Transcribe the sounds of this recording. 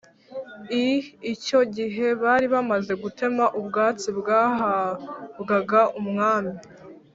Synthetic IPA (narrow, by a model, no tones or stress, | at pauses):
iːco̞ɟiɦe̞βaːɾiβamaze̞ɡutʰe̞maʔubɡaːt͡sibɡaːɦabɡaɡaumŋaːmi